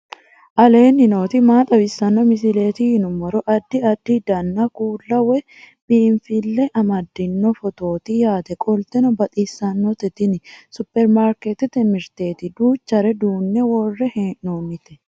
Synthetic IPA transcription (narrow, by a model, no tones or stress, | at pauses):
ʔɐle̞ːnːɪno̞ːt̪ɪmaːt̪ʼɐbɪsːɐnːɔmɪs̬ɪle̞ːt̪ɪhɪnʊmɔɾɔʔɐd̪ːɪɐd̪ːɪd̪ɐnːakuːlːɐwɛ | b̥iːɱfɪlːɛʔɐmɐd̪ːɪnːɔfɔt̪o̞ːt̪ɪjaːt̪ɛkʼɔlt̪ɛnɔbɐt̪ʼiːsːɐnːɔt̪ɛt̪ɪnɪsʊpːɛɾmaːɾkɛt̪ɪt̪ɛmɛɾt̪eːt̪ɪd̪uːt͡ʃːɐɾɛd̪uːnːɛwɔrːɛhnoːmɪt̪ɛ̥